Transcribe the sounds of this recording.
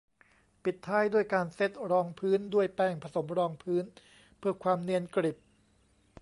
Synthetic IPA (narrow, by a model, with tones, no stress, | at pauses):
pi˨˩t̪ʰːaː˦˥jduː˥˩əjkaː˧nse˦˥˩t̪̚ɾɔː˧ŋpʰɯː˦˥ndu˥˩əjpɛː˧˩ŋpʰa˧so˩˦mɾɔː˧ŋpʰɯː˦˥n | pʰɯː˥˩ɐkʰwaː˧mni˧ənkɾi˨˩p̚